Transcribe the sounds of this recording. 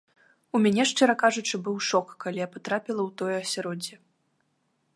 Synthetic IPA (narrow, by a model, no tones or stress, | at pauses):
umʲanʲɛʂt͡ʂɛɾɐkaʐut͡ʂɨbɨwʂɔkːalʲijapat̪ɾapʲilˠɐwt̪ɔjɐsʲaɾɔd͡zʲɛ